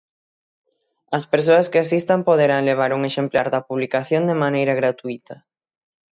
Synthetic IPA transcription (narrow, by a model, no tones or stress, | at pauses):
ɐspeɾs̬oɐskeasist̪ampoðeɾaŋleβ̞aɾuŋeʃemplaɾðɐpuβlikaθjond̪emanejɾɐɣɾat̪uit̪ɐ